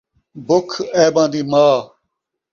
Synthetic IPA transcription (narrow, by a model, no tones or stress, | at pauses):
bʊkʰeːbãːd̪iːmaː